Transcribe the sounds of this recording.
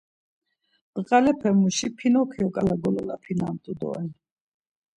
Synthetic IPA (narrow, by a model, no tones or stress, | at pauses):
d̪ʼqʼalɛpʰɛmuʃipʰinɔkʰiɔkʼalaɡɔlɔlapʰinamt̪ʼud̪ɔ̰ɛn